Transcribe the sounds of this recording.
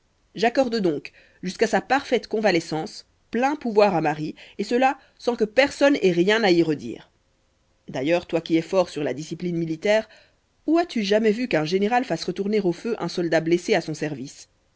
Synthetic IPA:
ʒakɔʁd̪d̪ɔ̃k | ʒyskasapaʁfɛt̪kɔ̃valɛsɑ̃s | plɛ̃puvwaʁamaʁiesəla | sɑ̃kəpɛʁsɔnɛʁjɛ̃naiʁəd̪ḭːʁ | d̪ajœːʁt̪wakʲiɛfɔʁsyʁla̰d̪isiplinmilit̪ɛːʁ | uat̪yʒamɛvykɛ̃ʒeneʁalfasʁət̪uʁneʁoføʔɛ̃sɔld̪ableseasɔ̃sɛʁvis

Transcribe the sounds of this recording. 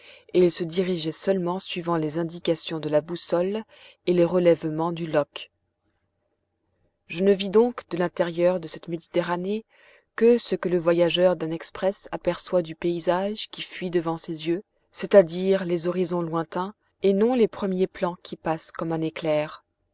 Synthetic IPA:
eilsəd̪iʁiʒɛsœlmɑ̃sɥivɑ̃lezɛ̃d̪ikasjɔ̃d̪əlabusɔl | eleʁəlɛvmɑ̃d̪ylɔk | ʒənəvid̪ɔ̃kd̪əlɛ̃t̪ɛʁjœʁd̪əsɛt̪med̪it̪eʁane | kəsəkələvwajaʒœʁd̪ɛ̃nɛkspχɛsapɛʁswad̪ypeizaʒkʲifɥid̪əvɑ̃sezjø | set̪ad̪iʁlezɔʁizɔ̃lwɛ̃t̪ɛ̃ | enɔ̃lepχəmjeplɑ̃kʲʰipaskɔmɛ̃neklɛːʁ

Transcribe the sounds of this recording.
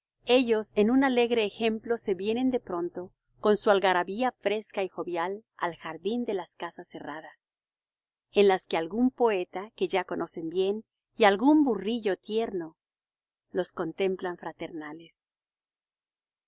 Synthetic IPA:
e̞ʝo̞se̞nunale̞ɣɾe̞ːxe̞mplo̞se̞βje̞ne̞nd̪e̞pɾo̞nt̪o̞ | ko̞nsualɣaɾaβiafɾe̞skaixo̞βjala̰lxaɾðind̪e̞laskasasːe̞raðas | enlaske̞alɣumpo̞e̞t̪ake̞ʝako̞nʔo̞se̞mbje̞n | ialɣumburiʝo̞t̪je̞ɾno̞ | lo̞sko̞nt̪e̞mplaɱfɾat̪e̞ɾnale̞s

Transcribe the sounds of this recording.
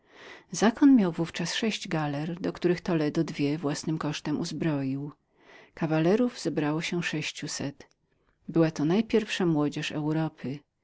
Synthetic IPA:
zakɔnmʲjawvuft͡ʂasʂɛɕd͡ʑɡalɛɾd̪ɔkt̪uɾɘxt̪ɔlɛd̪ɔd̪vʲjɛvwasnɘmkɔʂt̪ɛmuzbɾɔjiw | kavalɛɾuvz̥ɛbɾawɔɕɛʂɛɕt͡ɕusɛt̪ | bɘwat̪ɔnajpʲjɛɾfʂamwɔd͡ʑɛʂɛ̰wɾɔpʰɘ

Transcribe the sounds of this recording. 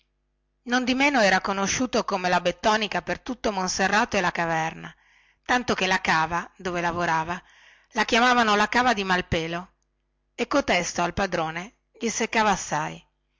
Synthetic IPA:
nond̪imeːnoɛːɾakonoʃːuːt̪okomelabet̪ːɔːnikapert̪ut̪ːomonserːaːt̪oelakavɛrna | t̪ant̪okelakaːvad̪oːvelavoɾaːva | lak̟jamaːvanolakaːvad̪imalpeːlo | ekːot̪ɛst̪oalpad̪ɾoːne | ʎisekːaːvaːsːaj

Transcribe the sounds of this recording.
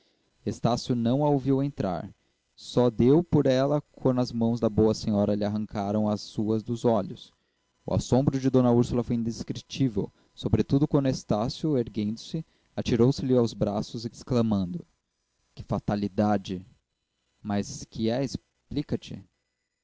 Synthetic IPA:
est̪asjʊnɐ̃w̃ɐoviwẽnt̪ɾa̰ɾ | sɔd̪ewpoɾɛlɐkwɐ̃nd̪ʊɐzmɐ̃w̃zd̪ɐbowɐsẽɲɔɾɐlɪaɦɐ̃ŋkʰaɾɐ̃w̃ɐsːuɐzd̪ʊzɔʎʊs | ʊ̰a̰sõmbɾʊd͡ʒɪd̪õnɐuɾsʊlɐfojĩnd̪eskɾit͡ʃivḛw | sobɾet̪ud̪ʊkwɐ̃nd̪ʊest̪asjʊeɾɡẽnd̪ʊsɪ | at͡ʃiɾowsɪlɪawzbɾasʊzsklɐmɐ̃nd̪ʊ | kɪ̥fat̪alid̪ad͡ʒɪ | mɐskɪɛes | plikɐt͡ʃɪ̰

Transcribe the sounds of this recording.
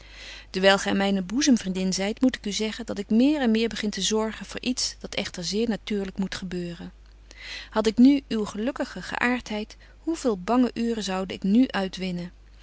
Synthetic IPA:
d̥əɹʋɛlˠχɛmɛjnəbuzəmvrindɪnzɛjtmutɪ̥kyzɛχəndɑtɪkmɪːɹɛnmɪːɹbəχɪntəzɔɹχənvʊ̰ːɹʔitsd̥ɑtɛχtəɹzɪːɹnatyːɹləkmutχəbøːrən | hɑtɪknyywχəlɵkəχəχə̰ʔaːɹtɦɛjt | huvɪːlˠbɑŋəʔyːrəzɑwdəɪknyʔœɥtʋɪnə

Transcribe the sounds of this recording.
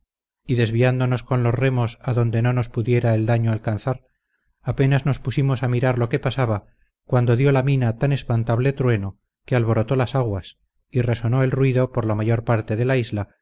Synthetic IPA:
iðe̞zβiand̪ono̞sko̞nlo̞zre̞mo̞saðo̞nd̪e̞no̞no̞spuðje̞ɾaeld̪aɲoalkanθaɾ | ape̞nazno̞spusimo̞samiɾaɾlo̞ke̞pasaβa | kwand̪o̞ðjo̞laminat̪ane̞spant̪aβle̞t̪ɾwe̞no | kealβo̞ɾo̞t̪o̞lasaɣwas | ire̞so̞no̞e̞lrwiðo̞poɾlamaʝo̞ɾpaɾt̪e̞ðe̞laizla

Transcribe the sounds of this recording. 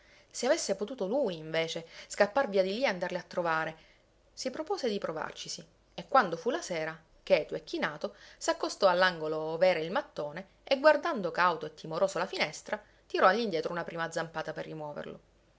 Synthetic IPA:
seavesːepot̪uːt̪olujɱveːt͡ʃeskapːarviːad̪ilieand̪arleat̪ːɾovaːɾe | sipɾopoːzed̪ipɾova̰rt͡ʃisi | ekːwand̪ofulasɛːɾa | k̟ɛːt̪uekːinaːt̪osakːost̪ɔalːaŋɡolovɛːɾeilmat̪ːoːne | eɡward̪and̪okawt̪oet̪ʰːimoɾoːsolafinɛst̪ɾa | t̪iɾɔaʎːind̪jɛːt̪ɾounapɾiːmad̪zampaːt̪aperːimwɔːvḛrlo̰

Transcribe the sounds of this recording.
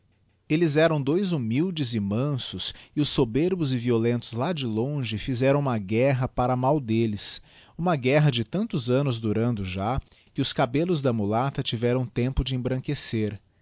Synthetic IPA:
elɪzɛɾɐ̃w̃d̪ojzumiwd͡ʒɪzɪmɐ̃sʊsɪʊsːobeɾbʊzɪviolẽnt̪ʊzlad͡ʒɪlõʒɪfizɛɾɐ̃w̃ũmɐɡɛɦɐpaɾɐmawd̪elɪs | ũmɐɡɛɦɐd͡ʒɪt̪ɐ̃nt̪ʊzɐ̃nʊzd̪uɾɐ̃nd̪ʊʒa | kɪʊskabelʊzd̪ɐmulat̪ɐt͡ʃivɛɾɐ̃w̃t̪ẽmpʊd͡ʒɪẽbɾɐ̃ŋkeseɾ

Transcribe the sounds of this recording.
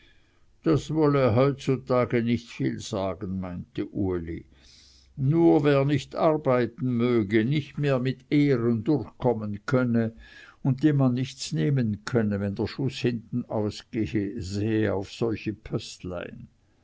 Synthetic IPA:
d̥asvɔleɦɔʏt̚t͡sutʰaːɡənɪçtfḭːlz̥aːɡən̩maɪntəʔuɐlḭ | nuːɐveːɐnɪçtaʁbaɪtn̩møːɡənɪçtmeːɐmɪteːʁəndʊrçkʰɔmənkʰœnəʊnt̚d̥eːnmanːɪçt͡sneːmənkʰœnəvɛndeːɐʃʊshɪntn̩aʊsɡ̥ezeːəa̰ʊfsɔlçəpʰœstla̰ɪn

